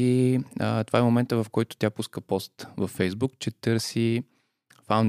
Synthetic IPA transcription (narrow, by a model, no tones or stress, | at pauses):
iət̪ovaɛmomɛnt̪əvɐfkɔjt̪ʊ̥t̪ʲjapuskəpɔst̪vɐfːɛjzbukt͡ʃɛt̪ɤɾsi | fawn